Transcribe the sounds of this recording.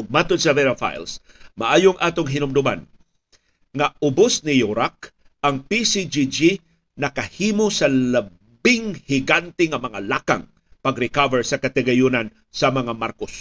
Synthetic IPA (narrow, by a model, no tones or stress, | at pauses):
ʊɡ̚mat̪onsɐðɛɾafa̰jls | mɐʔaːjoŋʔaːt̪oŋɦɪnʊmd̪ʊma̰n | ŋɐʊbosnɪjoɾak̚ | ɐŋpisid͡ʒid͡ʒi | nɐkɐhiːmosɐlɐ | bɪŋhɪɡant̪ɪŋɐmɐŋalaːka̰ŋ | pɐɡɾɪkavɛɹsɐkɐt̪ɪɡɐjʊnan | sɐmɐŋamaɾkos